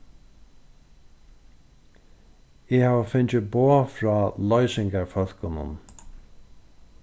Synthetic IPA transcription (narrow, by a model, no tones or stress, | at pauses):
ɪːhaːvəfɪɲt͡ʃɪboːfɹɑːlɔjsɪŋkaɹfœl̥kʊnʊ̰n